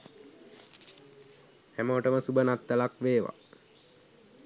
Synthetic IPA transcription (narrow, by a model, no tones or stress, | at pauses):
hæməʋəʈəməsubənat̪ːəlakʋeːʋa̰